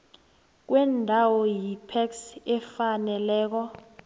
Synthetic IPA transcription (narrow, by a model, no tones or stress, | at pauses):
k̬wɛndʱawɔjipʰɛksɛfanɛlɛːk̬ɔ